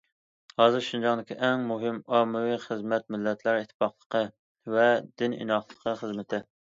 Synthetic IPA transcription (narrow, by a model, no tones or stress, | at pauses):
hɑzɨɾʃund͡ʒɑʁd̪ɪkʲiʔɛŋmuɦɪmɑmːɪwiχəzmɛt̪̚mɪlːɛt̪ʰlæɾit̪ʰːɪ̥pɑχlˠəqʰə | vɛd̪ɪnḭnɑχlˠəqʰəχəzmɪt̪ʰɪ